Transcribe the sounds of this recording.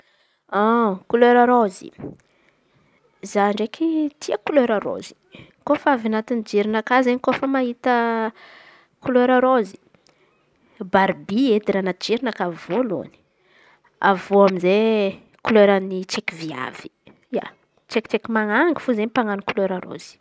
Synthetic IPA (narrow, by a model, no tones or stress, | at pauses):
akuløɾaɾozḭ | zaɳɖ͡ʐekʰit̪ʰiəkuløɾaɾo̰zi̥ | kofavanat̪inid͡ʒiɾinakazeɲikofəmaɦit̪ə | kuløɾaɾozi̥ | baɾbied̪iɾanad͡ʒiɾinəkavolo̰ni̥ | avoaminze | kuløɾanit͡ʃekivia̰v̥i̥ | ja̰ | t͡ʃekt͡ʃekimaŋaŋɡi̥fuzenpaŋanikuløɾaɾo̰z̥i̥